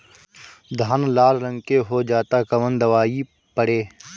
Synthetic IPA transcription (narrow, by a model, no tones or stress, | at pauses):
d̪ʱaːnlaːlɾə̃ŋkeɦod͡ʒaːt̪akɐʋənd̪ɐʋaːi | pəɽeː